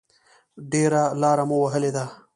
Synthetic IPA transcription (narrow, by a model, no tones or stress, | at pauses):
ɖeːɾalaːɾamowɐɦəled̪aː